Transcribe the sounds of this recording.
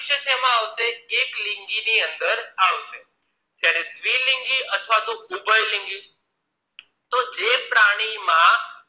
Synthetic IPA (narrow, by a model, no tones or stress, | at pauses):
ʃəʃʰɛmãaʋseːklɪŋɡiniənd̪əɾaʋʃe | d͡ʒjaɾet̪ʰʋilɪŋɡiət̪ʰʋat̪oubəjlɪ̃ŋɡi | t̪od͡ʒepɾaɽ̃imã